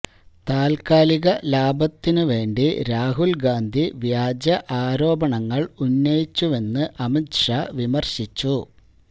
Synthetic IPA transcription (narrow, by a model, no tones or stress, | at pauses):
t̪aːlkaːliɣɐlaːbɐt̪ːinɨʋe̞ːɳɖiɾaːɦulɡaːnd̪ʱiʋjaːd͡ʑɐʔaːɾo̞ːbɐɳɐŋːɐɭunːɐjit͡ɕːuʋe̞nːɨʔɐmikʂaʋimɐrɕit͡ɕːu